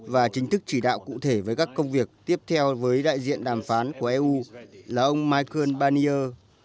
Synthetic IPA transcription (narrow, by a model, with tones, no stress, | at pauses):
vaː˨˩t͡ɕï˨˦ŋ̟t̪ʰɨ˦˥k̚t͡ɕi˧˩ɗa̰ː˧˨wkṵ˧˨t̪ʰe˧˩vəː˨˦jkaː˦˥kːə˧wŋ͡mvi˨˩ək̚t̪i˦˥əp̚t̪ʰɛ˧wvəː˨˦jɗa̰ː˧˨jzḭ˧˨ənɗaː˨˩mfaː˨˦nku˧˩əʔɛ˧ʔu˧laː˨˩ʔə˧wŋ͡mmaː˧jkəː˧nɓaː˧ni˧ʔəː˧